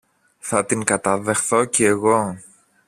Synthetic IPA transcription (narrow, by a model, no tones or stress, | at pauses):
θɐt̪iŋkɐt̪ɐðe̞xθo̞ceːɣo̞